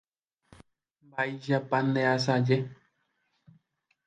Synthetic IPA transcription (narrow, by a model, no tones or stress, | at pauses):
mbaiʃapãnd̪eas̬ad͡ʒe